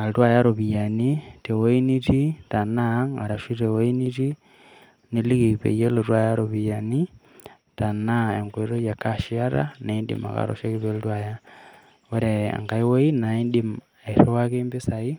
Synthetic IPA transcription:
a˨ltwa˦ja˦ɾo˨βi˨ja˨ni˦te˨wo˦i˦ni˦ti˦ta˨na˦ŋɡa˨ɾa˨ʃi˦ɾe˨wo˦i˦ni˦ti˦ | ni˦li˦ki˨pḛ˨je˦lotwa˦˨ja˦ɾo˨βija˨ni˦ | ta˨na˦e˨ŋɡwe˨ɾo˦je˨kaʃia˦ɾa̰na˨i˦ndḭ˨ma̰˨ka̰˨ɾo̰ʃe˦ki˦βeltwa˨ja˦ | wo˦ɾḛ˨ŋɡa˨i˦wo˦i˦na˨i˦ndim | e˨ɾo˦wa˦ke˦mbi˦sa˨i˦

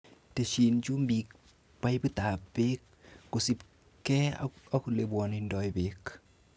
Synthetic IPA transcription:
te˨ʃi˨nt͡ʃu˦mbi˨k̚ | pa˦jbi˦ta˨pe˦k̚ː | u˨si˦p | kɛ̰˦a˦ku˨le˨bwɔ˨nindɔ˨jbek

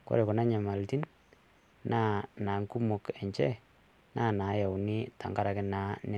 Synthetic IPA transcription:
ko̰˦ɾe˨ko˨na˦ɲa˨ma˨lti˦n | nʔaː˦na˨ŋku˦mo˨ke˨ɲt͡ʃɛ˦ | na˦˨na˨˦ja˨wni˦ta̰˨ŋka˦ɾa˨kɪ˦na˨˦nɛ˦

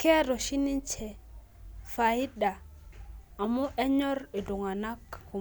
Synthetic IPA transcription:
ke˦ɾo˨ʃi˦ni˦nt͡ʃʰe˨ | fa˨ji˦ɗa˨ | a˨mu˦ʔe˦ɲo˦ɾe˨do˨ŋa˨na˦kku˨

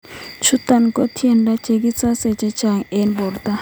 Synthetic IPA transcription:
t͡ʃʰu˦t̪a˨nko˦tʰi˦ɛ˨nda˦t͡ʃe˨k̬i˦t͡sʼa˦sɛ˨t͡ʃɛ˦t͡ʃa˨ŋɛ˦nbɔ˨rt̪a˦

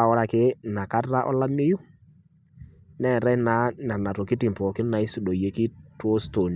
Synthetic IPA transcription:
a˨ɔ˦ɾa˨kɪ˦na˨ka˦ra˦ʔɔ̰˦la˦mɪ˦ju˦ | nɛ˦˨ɾɛ˦na˨˦na˨na˨tɔ˨kɪ˦ti˨mpɔ˨kɪ˦na˨i˦su˨do˨je˨kɪ˦to˦sto˨n˨

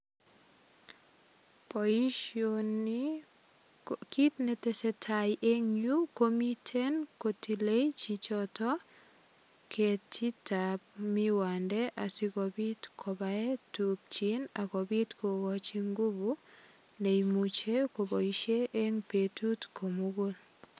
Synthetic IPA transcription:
p | on | ki˦tne˦tɛsɛ˨tʰajʔe˦ŋɲu˦komi˦tʰe˦nko˨tʰi˨le˦jt͡ʃit͡ʃɔtɔ˦ | kʰe˨tʰi˦tap̚mi˦wa˨ndɛ˦ʔa˨si˦kɔ˨bi˦tkʰɔ˨bae˦tuk̚t͡ʃinakɔ˨bi˦tko˨ɡɔt͡ʃi˦ŋɡu˦bu˦ | ne˨imut͡ʃe˦ko˨bɔ˨i˦ʃe˦ʔe˦ŋpetu˦tko˨muɡo˦l

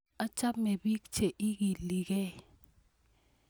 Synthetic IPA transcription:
a˦t͡ʃʼa˦mɛ˨ɓi˦kt͡ʃʰɛ˨ʔi˦k̬i˨li˨k̬ɛ˦

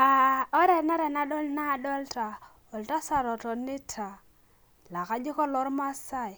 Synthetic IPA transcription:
a˨ɔ˦ɾɛ˨na˦ɾɛ˨na˦dɔ˦lna˦˨dɔ˦lta˨ | ɔ˨lta˦sa˨ɾɔ˨tɔ˨nɪ˦tʰa˨ | la˨ka˦d͡ʒi˦kɔ˦lɔ˨˦ɾma˦sa˦˨i˨

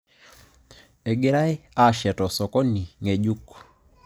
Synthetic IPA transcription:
e˨ɡɪ˦ɾa˦ɪ˦a˦˨ʃɛ˨tɔ˨sɔ˨kɔ˦ni˨ŋe˨d͡ʒu˦k

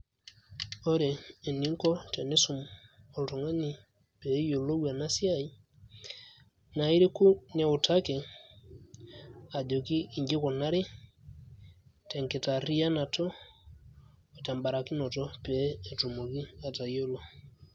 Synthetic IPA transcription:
ɔ˦ɾɛː˨ni˨˦ŋkɔ˦tɛ˨nɛ˦su˨m | ɔ˨ltɔ˨ŋa˦ɲi˨ | pɛ˨˦jo˨lɔ˦wa˨na˦si˦a˦˨i˦ | na˨i˦ɾi˦ku˦nɛ˨u˨ta˦kɛ˨ | a˨ɟɔ˨kiː˦˨ɲd͡ʒe˦kɔ˨na˦ɾi˦ | tɛ˨ŋkɛ˨ta˨ri˦a˦na˨tɔ˦ | ɔ˨ta˨mba˨ɾa˨ki˦nɔ˨tɔ˦pɛː˨˦˨tu˨mo˨βi˦a˨ta˨jo˦lɔ˦

